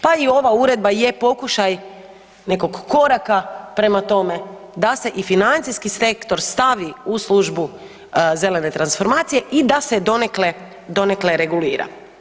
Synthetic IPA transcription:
paio̞ʋauɾe̞d̪̚baje̞po̞kuʃaj | ne̞ko̞ɡːo̞ɾakapɾemat̪o̞me̞ | d̪ase̞ʔifinant̪sijskise̞kt̪o̞ɾst̪aʋiuslˠuʒbu | ze̞le̞ne̞t̪ɾansfo̞ɾmaːt̪sije̞ʔid̪ased̪o̞nekle̞ | d̪o̞ne̞kle̞ɾe̞ɡuliːɾa̰

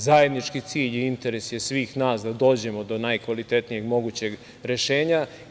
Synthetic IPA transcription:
zaje̞d̪nit͡ʃkit̪siːʎiint̪e̞ɾe̞sje̞sʋiːxnaːsd̪ad̪o̞ːd͡ʑe̞mo̞d̪o̞najkʋalit̪e̞t̪nije̞ɡmo̞ɡut͡ɕe̞ɡ | ɾe̞ʃe̞ːɲa

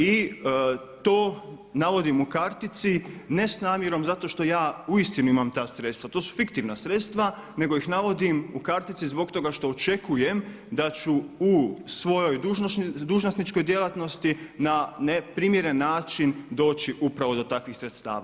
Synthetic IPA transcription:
i | t̪o̞ː | naʋo̞d̪imukaɾt̪it̪sine̞snaːmjeɾo̞mzat̪o̞ʃt̪o̞jaːuist̪inuimamt̪aːsɾe̞t̪st̪ʋat̪o̞ːsu̥fikt̪iʋnasɾe̞t̪st̪ʋa | ne̞ɡo̞ixnaʋo̞d̪imukaɾt̪it̪sizbo̞k̚t̪o̞ɡaʃt̪o̞ːt͡ʃe̞kʰujem | d̪at͡ʃuusʋo̞jo̞jd̪uʒd̪uːʒnosnit͡ʃko̞jd̪je̞lˠat̪no̞st̪inanepɾiːmjeɾe̞nːaːt͡ʃind̪o̞ːt͡ʃiʔupɾaʋo̞d̪o̞t̪akʋixsɾet̪st̪a̰ːʋa̰

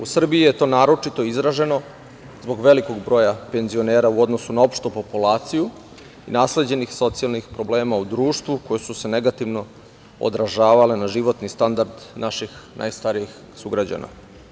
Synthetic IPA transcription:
usr̩biije̞t̪o̞ːnaːɾo̞t͡ʃit̪o̞izɾaʒe̞no̞ | zbo̞ɡʋe̞liko̞ɡbɾo̞ːjape̞nzio̞neːɾauo̞d̪no̞sunao̞pʃt̪opo̞pulˠaːt̪siju | inaːsle̞d͡ʑe̞nixso̞t̪sialˠnixpɾo̞ble̞ːmaud̪ɾuːʃt̪ʋuko̞jesuse̞ne̞ɡat̪iʋno̞ | o̰d̪ɾaʒaːʋale̞naʒiʋo̞t̪nist̪and̪aɾd̪naʃixnʔa̰jst̪aɾijix | suɡɾad͡ʑa̰na̰

